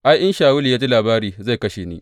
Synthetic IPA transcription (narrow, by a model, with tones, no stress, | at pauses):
ʔa˦jʔɪ˦nʃaː˨wʊ˦li˨jaː˦t͡ʃe˦laː˨baː˦ɾiː˨za˦˨jkɐ˦ʃeː˨nḭː˦